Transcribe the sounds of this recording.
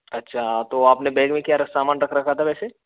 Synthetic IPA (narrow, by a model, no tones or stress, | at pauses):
ɐtːʃʰaːt̪oaːpnebɛːɡmẽkjaɾɐsaːmaːnɾɐkʰɾɐkʰat̪ʰaʋɛːse